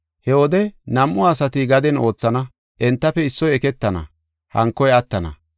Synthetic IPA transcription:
hɛwɔd̪ɛnɐmʔːʊaːsɐt̪ɪɡɐd̪ɛno̞ːt͡sːɐnɐ | ʔɛnt̪ːɐfɛɪsːɔjɛkɛt̪ːɐnɐ̰ | hɐŋkːɔjɐt̪ːɐnɐ̰

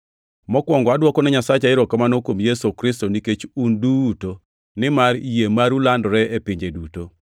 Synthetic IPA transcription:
mɔkwɔŋɡɔadwɔkɔnɛɲasat͡ʃaɪɾɔkamanokwomjesokɾɪs̬toniket͡ʃunduto | nɪmaɾijemaɾulandɔɾɛepɪɲd͡ʒeduto

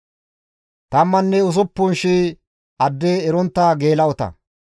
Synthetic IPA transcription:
t̪ɐmːɐnːɛʊs̬ʊpːʊnʃi | ɐd̪ːeːɾɔnt̪ːɐɡeːlɐɔt̪ɐ̰

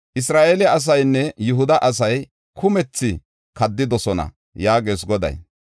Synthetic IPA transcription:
ʔɪs̬ɾaːʔeːlɛʔɐs̬ɐjnːɛjʊɦʊd̪ɐʔɐs̬ɐj | kʰʊmɛt͡sːɪ | kɐd̪ːɪd̪ɔsɔnɐ̰ | jaːɡeːs̬ɡɔd̪ɐ̰j

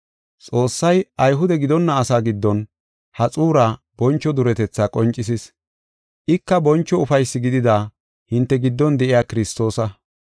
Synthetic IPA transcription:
t͡sʼo̞ːsːɐjʔɐjɦʊd̪ɛɡɪd̪ɔnːɐːsaːɡɪd̪ːɔn | hɐt͡sʼuːɾaː | bɔnt͡ʃːɔd̪ʊɾɛt̪ɛt͡sːaːkʼɔnt͡ʃʼːɪs̬ɪs | ʔɪkːɐbɔnt͡ʃːɔʊfɐjsːɪɡɪd̪ɪd̪aː | hɪnt̪ːɛɡɪd̪ːɔnd̪ɛʔɪjaːkɪɾɪst̪o̞ːsɐ

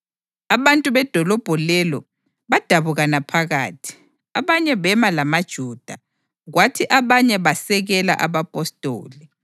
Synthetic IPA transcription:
aβantʼuβɛd̥ʱɔlɔb̥ʱɔlɛlɔ | βad̥ʱaβuɣanapʰaɣa̰ːtʰi̥ | aβaɲɛβɛmalamad̥ʒ̥ʱuːd̥ʱa | ɣwatʰiʔaβaɲɛβasɛɣɛla̰ʔaβapʼɔstʼo̰ːli

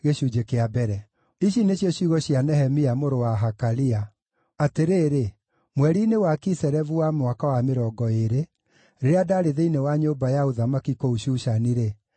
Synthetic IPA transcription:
ɣeɕuːd͡ʒekeabɛɾɛ | iɕineɕjɔɕiɣɔɕianɛɦɛmiamoɾowaɦakalia | ateɾeːɾe | mwɛɾinewakisɛɾɛvuwamwakawameɾɔɡɔeɾe | ɾeɾeadaɾeðeinewaɲoːbajaoðamakikouɕuʃaniɾe

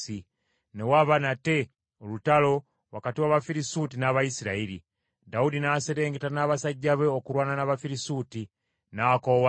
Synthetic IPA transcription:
i | ne̞waβanate̞ | olutalo̞ | wakatiwaβafiɾisutinaβajisiɾaiɾḭ | daudinaseɾe̞ːŋɡetanaβasaɟːaβeokuɾwaːnanaβafiɾisuti | nakowa

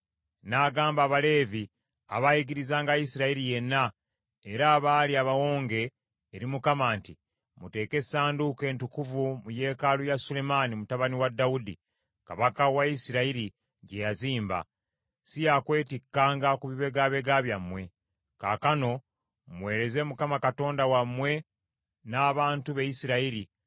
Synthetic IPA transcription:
naːɡaːmbaːβale̞ːvi | a̰βajiɡiɾizaːŋɡajisiɾaiɾije̞nːa | eɾaːβaːliaβawo̞ːŋɡe̞ː | ɾimukamaːnti | mute̞ːke̞saːnduke̞ːntukuvumuje̞ːkalujasule̞manimutaβaniwadːaudḭ | kaβakawaisiɾaiɾi | ɟe̞jaziːmba̰ | sijakwe̞ːtikːaːŋɡakuβiβe̞ɡaβe̞ɡaβjamwe̞ | ka̰kano̞ | mwe̞ːɾe̞ze̞mukamakato̞ːndawamwe̞ | naːβaːntuβejisiɾaiɾi

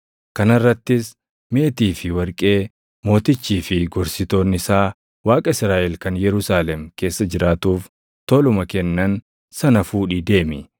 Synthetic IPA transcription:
kɐnɐrːɐt̪ːɪs | me̞ːt̪iːfɪwɐɾkʼe̞ː | mo̞ːt̪ɪt͡ʃːiːfɪɡɔɾsɪt̪o̞ːnɪsaː | waːkʼɐɪsɾaːʔɛlkɐnjɛɾʊsaːlɛmke̞ːsːɐd͡ʒɪɾʔaːt̪uːf | t̪ɔlʊmɐkɛnːɐn | sɐnɐfuːᶑiːd̪e̞ːmɪ

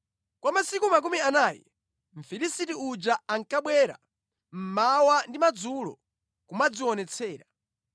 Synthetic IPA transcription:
kwamasikumak̬umianaːjɛ̰ | m̩fiɾisitiud͡ʒaaŋkaɓwɛɾa̰ | m̩mawandimad͡zulɔ̰ | kumad͡ziwɔnɛt͡sʰɛːɾa

